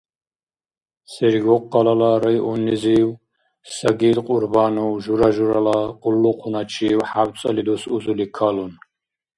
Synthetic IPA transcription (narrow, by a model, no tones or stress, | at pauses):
sɛɾiɡɔqːalalaɾajʔɔniziw | saɡid̪qʼuɾbanuwʒuɾaʒuɾalaqʼulːuqʰunat͡ʃʰiwħabt͡sʼɐlid̪usuzulikʰalun